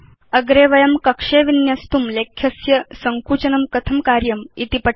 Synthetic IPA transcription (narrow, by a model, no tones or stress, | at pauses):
ɐɡɾeːʋɐjɐmkɐkʂeʋinjɐst̪umlekʰːjɐsjɐsɐŋkuːt͡ɕɐnɐmkɐt̪ʰɐmkaːɾjɐmit̪ipɐ